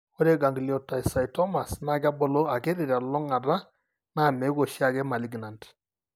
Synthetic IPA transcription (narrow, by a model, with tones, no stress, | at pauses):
ɔ˦ɾɛ˦ɡa˨ŋɡli˨ɔ˨ta˨i˨sa˨i˨tɔ˦ma˨sna˦˨ɡa˦bɔ˨lɔ˦a˨ɡɛ˦ɾɪ˨ɾa˨lɔ˦ŋa˨da˦ | na˦˨mɛ˨˦ɡo˨ʃa˦˨ɡɛ˦ma˨li˨˦ɡna˨nd